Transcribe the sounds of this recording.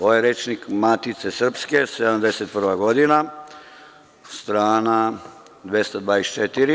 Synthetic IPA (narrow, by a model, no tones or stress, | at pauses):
ojeɾet͡ʃnikmat̪it̪sesr̩pskesed̪amd̪eset̪̚pr̩ʋaɡod̪ina | st̪ɾaːna | d̪ʋest̪ad̪ʋaːese̥t͡ʃet̪iɾi